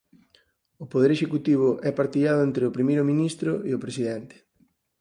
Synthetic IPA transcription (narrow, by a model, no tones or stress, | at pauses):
ʊpoðeɾeʃekut̪iβ̞ʊʔɛpaɾt̪iʎaðʊent̪ɾeʊpɾimejɾʊmĩnist̪ɾʊɪʊpɾesiðɛnt̪ɪ̥